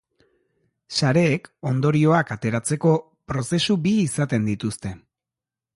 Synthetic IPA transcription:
saɾe̞ːko̞nd̪o̞ɾio̞akat̪e̞ɾat͡se̞ko̞ | pɾo̞se̞subiːsat̪e̞nd̪it̪ust̪e̞

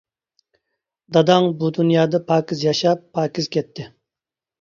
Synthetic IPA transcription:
d̪ɑd̪ɑŋbud̪unjɑːd̪ɑpʰɑːkʲizjɑʃɑpʰːɑːkʲiz̥kʲʰɛt̪ʰːɪ

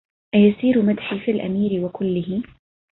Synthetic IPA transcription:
ʔajasiːɾmad̪ħifilʔa̰miːɾwakʊlːɪhɪ

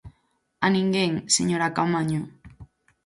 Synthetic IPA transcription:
aniŋɡeŋsḛɲoɾakamaɲo

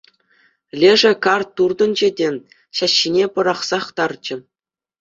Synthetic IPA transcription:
lʲeʐɘ̆kɑrt̪ːurd̪ɤ̆nd͡ʑedʲenʲ | ɕɑɕːinʲepɤ̆ɾɑχsɑχt̪ɑrt͡ɕɘ̆

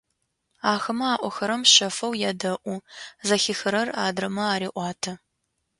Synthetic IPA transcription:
aːxɐmɐaːʔʷɔxɐɾɐmʃɐfɐwjɛdɐʔʷuzɐxixɨɾɐraːdrɐmɐaːɾiːʔʷɑːtʰɐ

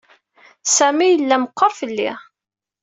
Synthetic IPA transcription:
sæmijəlːæməqːəɾˤfəlːḭ

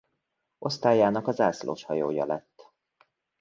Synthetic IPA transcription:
ʔo̞st̪aːjaːnɒkɒzaːslo̰ːʃhɒjo̰ːjɒ̰lɛt̪ː

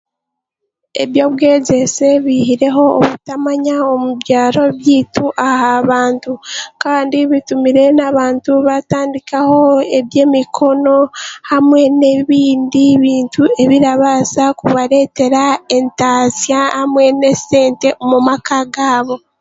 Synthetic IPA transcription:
e̞̰βjo̞ːβwe̞ːze̞se̞βihiɾe̞ɦo̞ːβutamaɲaomuβɟaːɾo̞βjiːtuʔahaβaːntukaːndiβitumiɾe̞naβaːntuβataːndikaho̞e̞βje̞ːmikʰo̞no̞hamwe̞ne̞βiːndiβiːntue̞βiɾaβasakuβaɾe̞ːte̞ɾae̞ntazjahamwe̞ne̞se̞ːnte̞omumakaɡaːβo̞

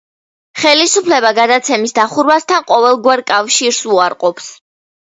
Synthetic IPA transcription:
χɛlisupʰlɛbaɡad̪at̪sʰɛmisd̪aχuɾmast̪ʰanqʼɔvɛlˠɡwaɾkʼafʃiɾsuaɾqʼɔps

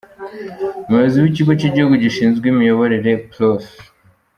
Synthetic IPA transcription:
muβeziwiciɡo̞ciɟihuɡuɟiʃiːnzɡwiːmijo̞βo̞ɾe̞ɾe̞plos

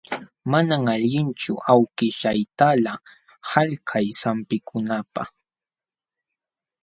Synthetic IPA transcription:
manaŋaʎɪnt͡ʃʊ̰ʔawkɪʃajt̪ala | haʎkʰajsampɪkʰʊnapa̰χ

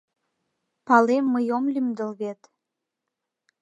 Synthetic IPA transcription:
pɑlemːəjomlymd̪ə̆lβet̪

